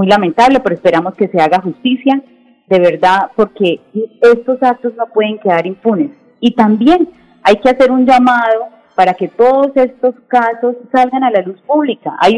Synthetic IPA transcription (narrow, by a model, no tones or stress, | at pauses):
mujlament̪aβle̞pe̞ɾoespe̞ɾamo̞ske̞se̞aɣaxust̪isja | d̪e̞β̞e̞ɾd̪aðpo̞ɾke̞e̞st̪o̞sak̚t̪o̞zno̞pwe̞ðe̞ŋkeðaɾimpunes | it̪ambje̞n | ajke̞ase̞ɾuɲd͡ʒamað̞o | paɾake̞t̪o̞ðo̞se̞st̪o̞skaso̞sːalɡanalaluspuβlikaʔaj